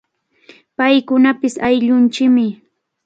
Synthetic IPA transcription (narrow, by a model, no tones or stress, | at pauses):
pajkʊnapɪsajʎʊnt͡ʃɪkmɪ